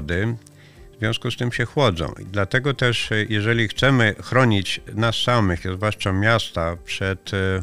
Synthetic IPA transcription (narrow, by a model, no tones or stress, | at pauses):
d̪ɘ | vzvʲjɔ̃skust̪ɘmɕɛxwɔd̪zɔ̰̃w̃id̪lat̪ɛɡɔt̪ɛʂjɛʐɛlʲixt̪sɛmɘxɾɔɲit͡ɕnasːamɘxzvwaʂt͡ʂamʲjast̪apʂɛt̪